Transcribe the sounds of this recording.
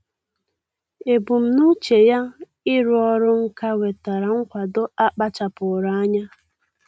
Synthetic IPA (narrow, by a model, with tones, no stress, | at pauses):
e˨bu˨m̩˨nu˦t͡ʃe˨ja˦ | ɪ˦ɾʊ˦ɔ˦ɾʊ˦ŋ̩˦ka˦we˨ta˨ɾa˨ŋ̩˦kʷa˨do˦a˦k͡pa˦t͡ʃa˨pʊ˨ɾa˨˦a˦ɲa˦